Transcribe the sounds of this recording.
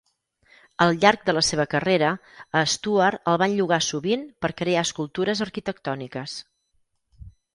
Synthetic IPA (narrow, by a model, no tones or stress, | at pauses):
əlˠʎark̚d̪ələseβ̞əkəreɾəəst̪uəɾəlˠβanʎuɣasuβinpəɾkɾeaəskulˠt̪uɾəzəɾkit̪ək̚t̪ɔnikəs